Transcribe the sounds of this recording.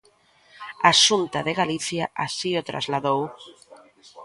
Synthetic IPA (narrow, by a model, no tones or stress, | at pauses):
aʃunt̪aðeɣaliθjaʔasiot̪ɾʔa̰zlaðow